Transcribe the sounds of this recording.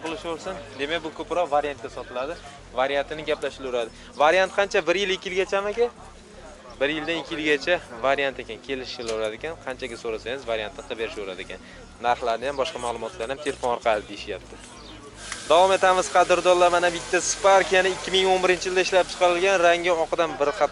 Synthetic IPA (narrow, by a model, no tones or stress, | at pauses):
qɨlˠɪʃoɾsɪnd̪e̞mak̚ʲbʊkʰɵpɾɒqvaɾijant̪̚ɡʲasɒt̪ʰɪlad̪ɪ | vaɾjant̪ʰɪnɪɡʲaplaʃɪlʊɾad̪ɪ | vaɾijant̪̚qʰɑnt͡ʃʰabɪɾjɪlɪkʲːɪjɪlɡʲat͡ʃʰamakʲa | bɪɾjɪld̪anɪkʲːɪjɪlɡʲat͡ʃʰavaɾjant̪ekʲankʲʰe̞lɪʃɪloɾad̪ɪkʲanqʰɑnt͡ʃʰaɡʲasoɾasaŋɪzvaɾjant̪ɪnɪqʰɨbe̞ɾɪʃoɾa̰d̪ɪkʲan | naɾχlˠaɾnɪjambɒʃqɑmalˠʊmɒt̪ʰlaɾnɪamt̪ʰe̞lefonɒɾqʰɑlad̪ɪd̪eɪʃja̰p̚t̪ʰɪ | d̪avɒme̞t̪ʰamɪz̥qʰɑd̪ɪɾd̪ɒlamanabɪt̪ʰːaspaɾkʲijanɪɪkʲːɪmɪŋonbɪɾɪnt͡ʃʰɪjld̪aɪʃlap̚t͡ʃʰɨ̥qʰɑɾɪlɡʲanɾaŋʲɪɒqʰɨd̪anbɪɾqɑ